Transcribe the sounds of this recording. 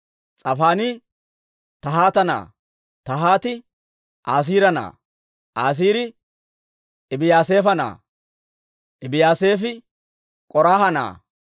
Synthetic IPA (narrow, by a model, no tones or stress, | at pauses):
t͡sʼɐfaːnɪ | t̪ɐɦaːt̪ɐna̰ː | t̪ɐɦaːt̪ɪ | ʔaːs̬iːɾɐna̰ː | ʔaːs̬iːɾɪ | ɪbɪjaːse̞ːfɐna̰ː | ʔɪbɪjaːse̞ːfɪ | kʼɔɾaːhɐna̰ː